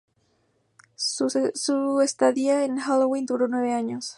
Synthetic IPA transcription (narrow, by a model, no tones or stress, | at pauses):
suest̪aðiaenxalowint̪uɾonwe̞βeaɲos